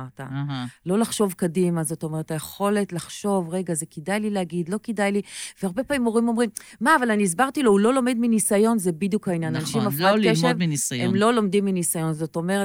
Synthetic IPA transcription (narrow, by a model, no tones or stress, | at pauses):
aʁta̰lo̞laχʃo̞vkadimazo̞to̞me̞ʁethajeχo̞le̞tlaχʃo̞vʁe̞ɡazekidajlileaɡidlo̞kidajliveaʁbe̞pamimo̞ʁimo̞mʁimmaːvalaniːz̬baʁtilo̞hulo̞lo̞medminisajo̞nzebidjukhainjananaʃimafakeʃvinisemlo̞lo̞mdimːinisajo̞nzo̞to̞me̞e